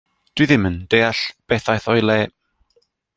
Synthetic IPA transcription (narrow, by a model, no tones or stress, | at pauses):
d̥wiðɪməndeːaɬb̥ɛθajθɔjlˠɛː